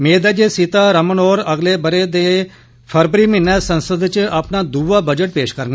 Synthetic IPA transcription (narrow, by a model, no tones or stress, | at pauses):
mẽːd̪aːd͡ʒeːsɪt̪aːɾəmənoːɾəɡleːbəɾeːd̪eː | pʰəɾbɾiːmɪnːɛːsə̃nsəd̪t͡ʃaːpnaːd̪uːʋaːbəd͡ʒəʈ̚peːʃkəɾn